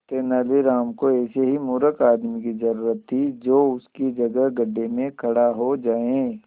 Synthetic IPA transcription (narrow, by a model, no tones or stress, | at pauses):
t̪eːnaːliɾaːmkoɛːseɦimuːɾəkaːd̪mikizɐɾuːɾət̪ʰːid͡ʒoːʊskid͡ʒɐɡəɦɡɐɖːemẽkʰɐɽaɦod͡ʒaːẽː